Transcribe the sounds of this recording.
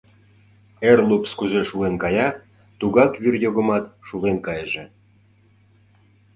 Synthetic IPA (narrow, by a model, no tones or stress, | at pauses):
erlupskuzeʃuenkɑjɑ | t̪uɣɑkvyrjoɣə̆mɑt̪ʃuɣenkɑjəʒe